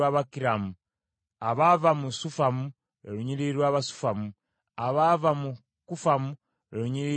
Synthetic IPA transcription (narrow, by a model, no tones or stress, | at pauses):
aβakiɾamu | aβavamusufamu | eɾuɲiɾiɾwaːβasu̥famu | aβavamu | kufamu | eɾuɲiɾi